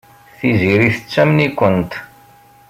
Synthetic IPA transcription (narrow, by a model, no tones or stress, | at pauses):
θiziɾiθət͡sːæmnikʷːənt̪